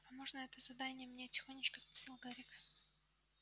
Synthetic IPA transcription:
pɐmoʐnəɛt̪əzɐd̪anʲɪjəmnʲetʲɪ̥xo̞nʲːɪt͡ɕkəspʲɪ̥sʲalˠɡaɾʲik

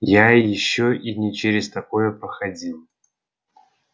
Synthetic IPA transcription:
jajɪɕːoʔinʲɪt͡ɕeɾʲɪst̪ɐkojəpɾəxɐdʲilˠ

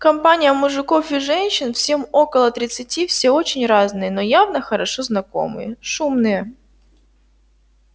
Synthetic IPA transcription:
kɐmpanʲɪjəmʊʐɨko̞fɪʐɛnʲɕɪnfsʲe̞mo̞kəlˠət̪ɾʲɪt̪sɨtʲifsʲeo̞t͡ɕɪnʲraznɨjənojavnəxəɾɐʂo̞znɐko̞̰mɨ̰jəʂumnɨjə

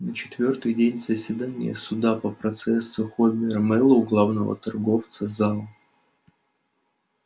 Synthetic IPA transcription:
nət͡ɕɪ̥t̪vʲo̞rt̪ɨjdʲenʲzəsʲvʲɪd̪anʲɪ̰jə̰sʊd̪apəpɾɐt̪sɛsːʊxobʲɪɾəmɛlˠəɡlˠavnəvə̰t̪ɐrɡo̞ft̪sɨzalˠ

